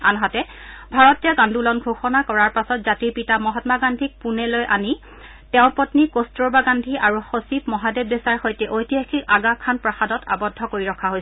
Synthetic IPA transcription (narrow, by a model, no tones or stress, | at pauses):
a̰nɦatɛ | bʱaɹɔtijaɡãndʱulɔnɡʱoxɔnakɔɹaɹpasɔtzatiɹpitamɔɦɔtmaɡandʱik̚punɛlojʔani | tɛʊ̃pɔtnikostɹɔɹbaɡandʱiʔaɹuxosipmɔɦadebjesaɹxojtɛʔojtijakʰikaɡakʰːanpɹaxadɔta̰bɔdʱːɔkoɹiɹɔkʰːaɦojs